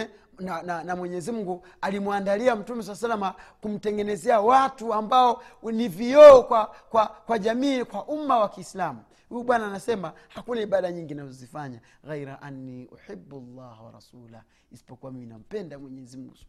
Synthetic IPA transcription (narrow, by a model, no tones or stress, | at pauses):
nananamwɛɲɛzim̩ɡu | alimuandaliam̩tumɛs̬alasalamakum̩tɛŋɡɛnɛzɛawatuambaɔniviɔɔkwakwakwaʄamiːkwaʔumawakiːslamu | hujuɓwanaːnasɛma | hakunaiɓaɗaɲiŋɡinazɔzifaɲa | ɣajɾaʔanːiʔṵħibːlːahwa̰ɾa̰suːla̰h | isi̥pɔkuamiminam̩pɛndamwɛɲɛzim̩ɡu